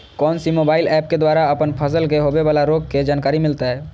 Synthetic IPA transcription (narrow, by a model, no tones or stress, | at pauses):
kɔːnsimobailɛp̚ked̪waɾaəpənpʰəsəlkeɦobebalaɾoɡ̚ked͡ʒankaɾimilt̪aɦɛ